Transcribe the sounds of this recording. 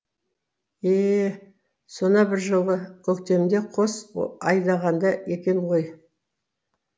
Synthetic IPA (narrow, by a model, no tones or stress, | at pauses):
e | so̞nɑbɪɾʒəlˠʁəkʲʰɵkt̪e̞md̪e̞qʰo̞sɑjd̪ɑʁɑnd̪ɑe̞kʲe̞nʁo̞j